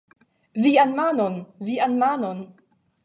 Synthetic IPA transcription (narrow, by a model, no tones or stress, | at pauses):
vianmanonvianmanon